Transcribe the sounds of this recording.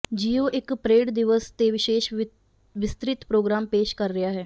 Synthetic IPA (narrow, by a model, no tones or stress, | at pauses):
d͡ʒiːoːʔɪkpɾeːɖd̪ɪʋəst̪eʋɪʃeːʃ | ʋɪst̪ɾɪt̪pɾoːɡɾaːmpeːʃkəɾːəjaːɦɛː